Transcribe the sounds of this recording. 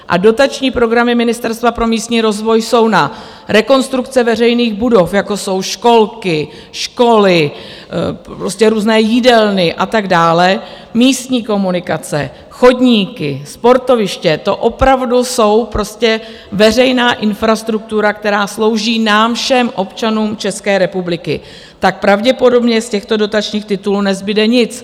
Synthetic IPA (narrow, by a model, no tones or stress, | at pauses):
ʔa̰do̞t̪at͡ʃɲiːpɾo̞ɡɾamɪmɪnɪst̪ɛɾst̪vapɾo̞miːst̪ɲiːɾo̞zvo̞jso̞wna | ɾɛko̞nst̪ɾukt͡sɛvɛrɛjniːɣbudo̞fjako̞so̞wʃko̞lkɪ | ʃko̞lɪ | pɾoscɛɾuːznɛːjidɛlnɪʔat̪aɡdaːlɛ | miːst̪ɲiːko̞munɪkat͡sɛ̰ | xo̞dɲiːkɪspo̞ɾt̪o̞vɪʃcɛt̪o̞ʔo̞pɾavduso̞wpɾo̞scɛ | vɛr̝ɛjnaːʔɪnfɾast̪ɾuk̚t̪uɾak̚t̪ɛɾaːslo̞wʒiːnaːmfʃɛmʔo̞pt͡ʃanuːmt͡ʃɛskɛːɾɛpublɪkɪ̰ | t̪ak̚pɾavɟɛpo̞do̞bɲɛscɛxt̪o̞do̞t̪at͡ʃɲiːxt̪ɪt̪uluːnɛzbɪdɛɲɪt͡s